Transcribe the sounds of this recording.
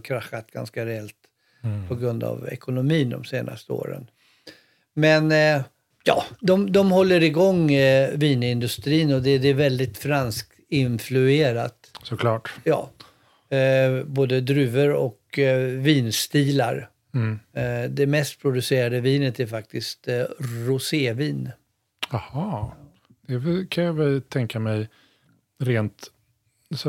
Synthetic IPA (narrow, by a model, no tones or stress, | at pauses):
kʰɾaxːat̪ɡ̥a̰nskaɾɛɛlt̪ | pʰɔɡɾɵnd̪a̰vɛ̰kʊnʊmiːnd̪ɔ̰mseːna̰st̪əo̰ːɾə̰n | mɛn | jɑ̰ːd̪ɔmd̪ɔmhɔlːəɾɪɡɔŋːviːnɪnd̪ɵst̪ɾiːnɔd̪ɛd̪ɾvɛld̪ɪt̪fɾansk̚ | ɪnflɵeːɾat̪sɔkʰlɑːʈjɑ̰ː | boːd̪əd̪ɾʉ̟ːvəɾɔkviːnst̪iːla̰ɾ | d̪ɛmɛst̪̚pʰɾʊd̪ɵseːɾad̪əviːnət̪æɾfak̚t̪ɪst̪ɾʊseːviːn | ahɑː | d̪̥ɛvɛkʰanjɑvɛlt̪ʰɛŋkamɛj | ɾeːnt̪ | s